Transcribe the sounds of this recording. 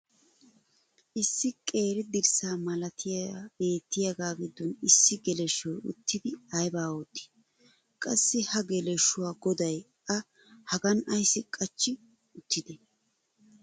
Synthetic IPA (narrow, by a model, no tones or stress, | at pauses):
ʔɪsːɪkʼe̞ːɾɪd̪ɪɾsaːmɐlɐt̪ʰɪjabe̞ːt̪ːɪjɐɡaːɡɪd̪ːɔnɪsːɪɡɛlɛʃːɔjʊ̰t̪ːɪd̪ɪɐjbaːot̪ʼːɪ̥ | kʼɐsːɪhɐɡɛlɛʃːʊwaːɡɔd̪ɐj | ɐ | hɐɡɐnɐjsːɪkʼɐt͡ʃːɪ | ʊt̪ːɪd̪ɛ